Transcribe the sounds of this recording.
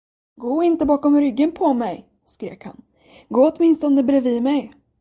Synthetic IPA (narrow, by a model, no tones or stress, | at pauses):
ɡoːɪnt̪əbɑːkɔmɾʏɡːənpʰɔmɛj | skɾḛːkha̰n | ɡoːɔt̪mɪnst̪ɔnd̪əbɾɛvimɛj